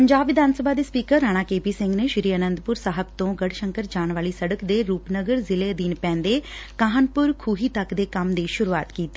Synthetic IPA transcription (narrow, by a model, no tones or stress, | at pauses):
pəɲd͡ʒaːbʋɪd̪ʱaːnsəbaːd̪eːspiːkəɾɾːaːɽ̃aːkeːpiːsɪ̃ŋɡneːʃɪɾiːənə̃nd̪pʊɾsaːɦəbt̪õːɡəɽʃəŋkəɾd͡ʒaːɳ̃ʋaːliːsəɽəkd̪eːɾuːpnəɡəɾzɪleːd̪iːnpɛ̃ːnd̪eːkaːɦənpʊɾkʰuːɦiːt̪əkd̪eːkəmd̪eːʃʊɾua̰ːt̪kiːt̪ːiː